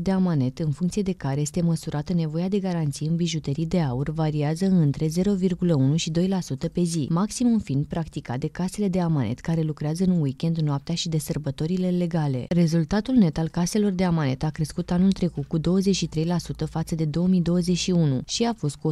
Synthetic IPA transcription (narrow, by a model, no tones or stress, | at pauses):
d̪e̞amane̞t̪ɨnfuŋkt̪sie̞d̪e̞kaɾe̞je̞st̪e̞məsuɾʔat̪əne̞vo̞ead̪e̞ɡaɾant̪sijɨnbiʒut̪əɾid̪e̞aurvaɾiazəɨnt̪ɾe̞ze̞ɾo̞virɡuləunuʃid̪o̞jlasut̪əpe̞zḭmaksimumfind̪̚pɾakt̪ikat̪̚d̪e̞kase̞le̞d̪e̞amanʔe̞̰t̪kaɾe̞lukɾeazəɨnwikʲe̞nd̪noap̚t̪eaʃid̪e̞sərbət̪o̞ɾile̞le̞ɡale̞̰re̞zult̪at̪ulne̞t̪alkase̞lo̞rd̪e̞amane̞t̪akɾe̞skut̪anult̪ɾe̞kut̪̚kud̪o̞wəzet͡ʃʲʃit̪ɾe̞jlasut̪əfat̪səd̪e̞d̪o̞wəmijd̪o̞wəze̞t͡ʃʃiunṵʃiafo̞st̪̚ku